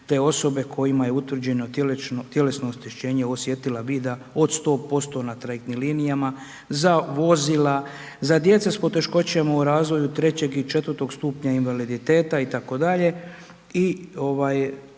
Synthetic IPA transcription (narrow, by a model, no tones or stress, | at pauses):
t̪e̞ːo̞so̞be̞kʰo̞jimaje̞ut̪ʋr̩d͡ʑe̞no̞t̪jelet͡ʃnot̪je̞le̞snoːst̪eʃt͡ɕe̞ːɲeo̞sje̞t̪ilabiːd̪ao̞d̪st̪o̞ːpo̞st̪o̞nat̪ɾajek̚t̪nimliːnijama | zaʋo̞zila | zad̪je̞t̪sespo̞t̪e̞ʃko̞t͡ɕemauɾaːzʋo̞jut̪ɾe̞t͡ɕe̞ɡit͡ʃe̞t̪ʋəɾt̪o̞ɡst̪uːpɲainʋalid̪it̪e̞ːt̪ait̪ako̞d̪aʎe̞ | io̞ʋaːj